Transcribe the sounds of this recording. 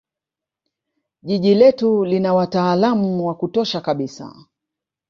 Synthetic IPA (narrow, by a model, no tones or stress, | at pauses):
ʄiʄilɛtulinawataːlamuwakutɔʃakaɓisa̰